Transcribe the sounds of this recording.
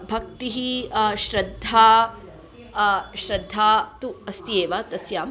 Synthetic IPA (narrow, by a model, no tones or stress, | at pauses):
bʱɐk̚t̪iɦiʃɾɐd̪ʱːaː | ʃɾɐd̪ʱːaːt̪uɐst̪ieːʋat̪ɐsjaːm